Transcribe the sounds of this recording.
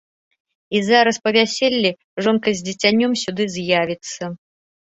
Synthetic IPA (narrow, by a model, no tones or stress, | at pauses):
izaɾɐspɐvʲasʲelʲːi | ʐɔnkɐzʲd͡zʲit͡sʲanʲːɔmsʲud̪ɨzʲjavʲit̪sːɐ